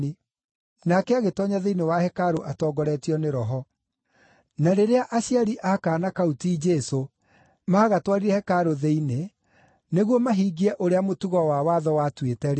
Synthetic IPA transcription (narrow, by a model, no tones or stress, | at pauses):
i | nakɛaɣetɔɲaðeinewahɛkaɾoʔatɔːɡɔɾɛtiɔneɾɔɦɔ | naɾeɾeaʔaɕjaɾiʔakaːnakautiːd͡ʒɛːso | maːɣatwaɾiɾɛhɛkaɾoðeine | neɣwɔmaɦiːɡiɛʔoɾeamotuɣɔwawaðɔwatwetɛɾe